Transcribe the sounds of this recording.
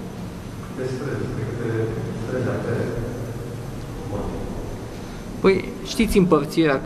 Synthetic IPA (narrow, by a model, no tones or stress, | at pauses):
d̪espɾed̪espɾekɨt̪et̪ɾezat̪eɾe | pot̪i | pəj | ʃt̪it̪sʲɨmpərt̪sieɾa